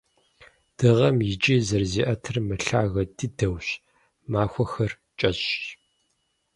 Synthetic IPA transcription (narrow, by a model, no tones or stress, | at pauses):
d̥ɨʁɐmjɪt͡ʃʼiːzɐrziːʔɐtʰɨrmɨɬaːɣɐtʰʼɨdɐwɕ | maːxʷɔxɐr | t͡ʃʼɐɕ